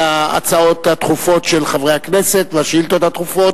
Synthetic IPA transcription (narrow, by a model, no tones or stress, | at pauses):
aa̰t͡sao̞t̪hat̪χufo̞t̪ʃelχavʁe̞jhakneset̪veaʃilt̪ot̪hat̪χufo̞t